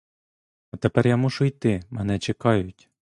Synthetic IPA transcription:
ɐt̪epɛɾjamuʃʊjt̪ɪmɛnɛt͡ʃekɑjʊtʲ

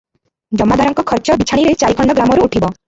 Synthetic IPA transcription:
d͡ʒɔmːad̪ʱaɾɔŋkɔkʰɔɾt͡ʃɔbit͡ʃʰaɽ̃iɾet͡ʃajkʰɔɳɖɔɡɾamɔɾuːʈʰibɔ

